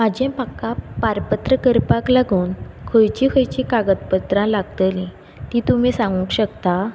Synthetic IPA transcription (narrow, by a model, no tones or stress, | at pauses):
mad͡ʑẽpakːapaɾpət̪ɾəkəɾpaklaɡʱuːnkʰəjt͡ɕikʰəjt͡ɕikaɡət̪pət̪ɾãlaɡt̪əlĩ | t̪iːt̪um̤iːsãŋɡũkɕəkt̪a